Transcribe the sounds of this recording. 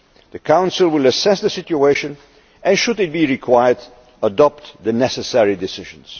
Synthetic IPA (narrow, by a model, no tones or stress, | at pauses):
ðɨkʰãʊ̃nslˠwɪlˠəsɛsðəsɪt͡ʃueɪʃɨ̃n | ɨ̃nʃʊdɨt̚biɹikʰw̥aɪə˞d | ədɔp̚t̪ðɨnɛsɨsɛɹidɪsɪʒə̃nz̥